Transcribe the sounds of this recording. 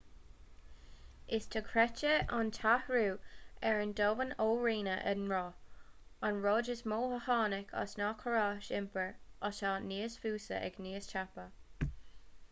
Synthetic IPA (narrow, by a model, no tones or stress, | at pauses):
ɪstʰəkʰɹɛt͡ʃəantʰahɹuːɛɹəndoːvənoːɹiːnəʔənɹɔː | anɹoːd͡ʒəsmoːhəhɑːnɪkʰa̰snɑkʰəɹaʃɪmpəɹʔətaːniːəsfuːsə̰ʔɛ̰ɡniːəst͡ʃapə